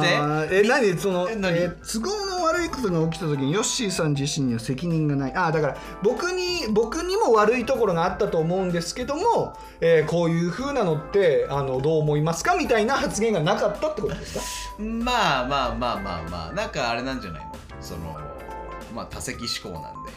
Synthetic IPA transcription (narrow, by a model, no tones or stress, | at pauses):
aenaɲiso̞no̞et͡sɨɡoːnoβaɾɯ̟ikot̪o̞ɡaok̬ʲi̥t̪at̪o̞k̬ʲiɲ̟ijo̞ɕiːsãɲ̟d͡ʑiɕĩɲ̟iβase̞kʲiɲ̟ĩŋɡanaiʔad̪akaɾa | bo̞kɯ̟ɲ̟ibo̞kɯ̟ɲ̟imo̞βaɾɯ̟it̪o̞ko̞ɾo̞ɡaːt̪ːat̪o̞ːmo̞ɯ̟̃nd̪e̞sɨ̥ke̞d̪o̞mo̞ | eːko̞ːjɯ̟ːɸɯ̟ːnano̞t̪ːe̞ano̞d̪o̞ːmo̞imasɨ̥kamʲit̪ainahat͡sɨɡẽ̞ŋɡanakat̪ːat̪ːe̞kot̪ood̪e̞sɨ̥kamaːmaːmaːma̰ːma̰ːnãŋkaːɾe̞nãɲd͡ʑa̰na̰ino̰ | so̞̰no̰ | ma̰ːt̪ase̞kʲiɕi̥ko̞̰ːnã̰nd̪e̞̰